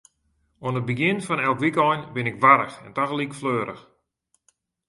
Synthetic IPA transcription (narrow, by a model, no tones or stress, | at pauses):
oənət̚bəɡɪnfɔnɛlˠkʋikɔjnbɪnɪkʋaɾəxɛntaxlikfløːɾə̰x